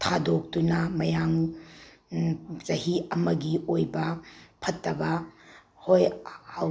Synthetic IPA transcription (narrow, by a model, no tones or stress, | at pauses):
tʰadok̚tunɐmɐjaŋ | zɐɦiɐmɐɡiojbɐpʰɐtːɐbɐ | hojhaw